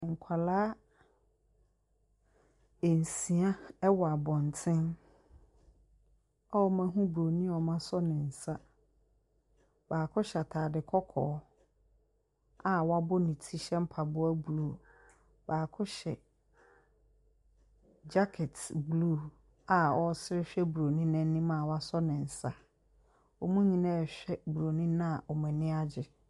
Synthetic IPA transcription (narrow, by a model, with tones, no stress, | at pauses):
ŋ̩˨kʷʰa˨laː˦ | e˨n̩˨sĩ˨a˦ɛ˦wɔ˨a˨bɔ̃˨n˨tʰɪ̃˦n | ɔ˦mã˦ɦũ˦bu˨ɾo˨nĩ˦˨ɔ˨mã˦sɔ˦nɪ̃˨n̩˨sa˦ | baː˨kʰʊ˦ɕa˨tʰaː˨dɪ˨kʰɔ˦kʰɔ̰ː˨˦ | a˨wɔ˦a˦bʊ˦nĩ˨tʰi˦ɕɛ˦m̩˦pʰa˨bʊ˦æ˦bluː˦˨ | baː˨kʰʊ˦ɕɛ˨ | d͡ʑa˦kʰɛ˨tblu˦˨ | a˨wɔ˦sɪ˦ɾɪ˦ɕᶣɛ˦bu˨ɾo˨nĩ˦nɛ̃˦nːĩ˦mã˦˨wa˦sɔ˦nɪ̃˨n̩˨sa˦ | wɔ˨mũ˦ɲĩ˦nã˦ɛ˨ɕᶣɛ˦bu˨ɾo˨nĩ˦nã˦a˨ɔ˨mɛ̃˨nɪ̃˦a˦d͡ʑɪ˨